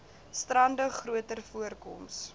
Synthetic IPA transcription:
strɐndəχruətərfuərkɔ̰ms

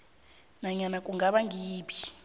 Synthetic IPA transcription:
naɲanakʼuŋɡaɓaŋʱiːpʰi̥

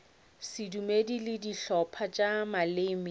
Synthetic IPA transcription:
sɪdumedilɪdiɬɔpʰat͡ʃʼamaleːmɪ

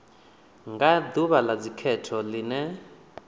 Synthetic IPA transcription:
ŋɡad̪uβalad͡zikʰɛtʰɔlinɛ

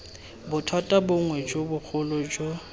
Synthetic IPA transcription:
bʊtʰwatʼabʊŋwɛd͡ʒobʊk͡xʰʊlɔd͡ʒo

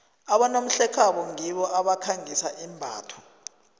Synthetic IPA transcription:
aɓanom̩ɬɛkʰaɓɔŋiɓɔʔaɓakʰaŋisaʔimbʱaːtʰɔ̥

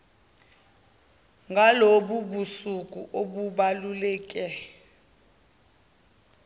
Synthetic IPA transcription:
ŋɡʱaloɓuɓusukʼuʔoɓuɓalulɛːkʼɛ

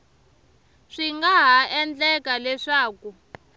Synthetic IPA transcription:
ʂiŋɡaɦaɛnd͡ɮɛkalɛʂaːku

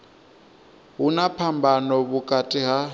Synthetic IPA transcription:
ɦunapʰambʱanɔβukʼatʼiɦa

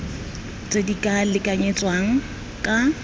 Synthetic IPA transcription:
t͡sʼedikʼalɪkʼaɲet͡sʼwaŋ̩ | kʼa

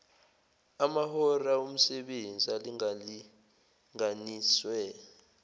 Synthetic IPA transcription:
amahɔraum̩sɛɓend͡zʱiali | ŋaniːswɛ

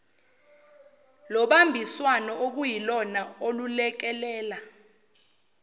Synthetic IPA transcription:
lɔɓambʱiswanɔʔok̬ujilɔnaolulɛk̬ɛlɛːla

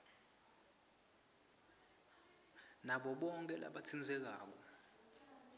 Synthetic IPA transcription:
naɓɔɓɔŋkʼɛla̰ɓat͡sʰind͡zʱɛk̬a̰ːk̬ɔ

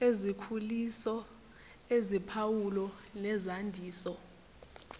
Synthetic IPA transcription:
ezikʰulisɔ | ezipʰawulɔnɛzandʱiːsɔ

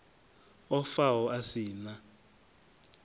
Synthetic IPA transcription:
ɔfaɦɔʔasiːna

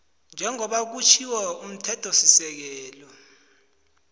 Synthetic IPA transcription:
nd͡ʒʱɛŋɔɓak̬ut͡ʃʰiwɛum̩tʰɛtʰɔsisɛk̬ɛːlɔ

